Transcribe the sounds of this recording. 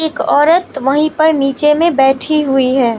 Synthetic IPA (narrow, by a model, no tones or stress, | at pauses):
eːkɔːɾət̪ʋɐɦĩpɐɾniːt͡ʃemẽbɛːʈʰiɦuiɦɛː